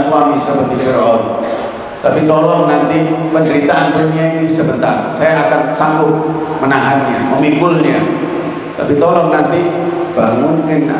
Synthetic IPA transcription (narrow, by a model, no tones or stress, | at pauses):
swamisəpərd̪isəɾɔɔn | t̪apit̪ɔlɔŋnant̪ipəndəɾit̪aankulɲainisəbənt̪arsajaakansaŋɡʊt̚mənaɦanɲaməmipʊlɲa | t̪a̰pit̪ɔlɔŋnant̪i | b̥aŋʊnkɪŋ